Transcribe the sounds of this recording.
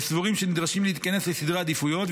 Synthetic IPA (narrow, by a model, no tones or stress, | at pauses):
svoʁimʃenid̪ʁaʃimlehit̪̚kɐne̞slesid̪ʁaːd̪ifujo̞t̪v